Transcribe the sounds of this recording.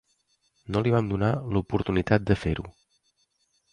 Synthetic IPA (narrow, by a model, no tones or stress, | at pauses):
noliβamd̪unalupuɾt̪unit̪at̪̚d̪əfeɾu